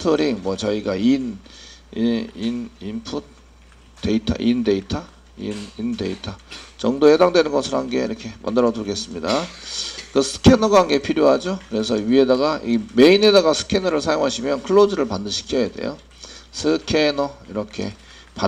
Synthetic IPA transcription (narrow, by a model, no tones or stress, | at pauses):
tʰoɾiŋmwʌt͡ɕʌiɡain | inimpʰut | te̞itʰa̰ʔinde̞itʰa | ḭninde̞̰itʰat͡ɕʌŋdoedaŋdwe̞nɯnɡʌsʰɯɾoɦanɡe̞̰ḭɾʌkʰe̞ma̰ndɯɾʌduɭɡe̞s͈ɯmɲida | kɯsʰɯ̥kʰe̞nʌɡaɦanɡe̞pʰiɾjoɦad͡ʑokɯɾe̞sʰʌɥie̞daɡaʔime̞ine̞daɡasʰɯ̥kʰe̞nʌɾɯɭsʰajoŋɦaɕʰimjʌnkʰɯɭːod͡ʑɯɾɯɭpandɯɕʰi̥kʰiʌjede̞̰jo̰ | sʰɯkʰe̞nʌiɾʌkʰe̞̰ | pa